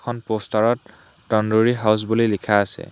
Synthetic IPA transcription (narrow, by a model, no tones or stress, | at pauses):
kʰɔnpostaɹɔtː | ɔndoɹiɦaws̬bulilikʰaːsɛ̰